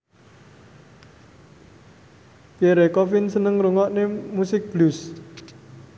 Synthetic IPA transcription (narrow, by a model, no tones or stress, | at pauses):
piɛɾekɔfɪnsənəŋɾuŋɔʔnemusɪk̚b̥lus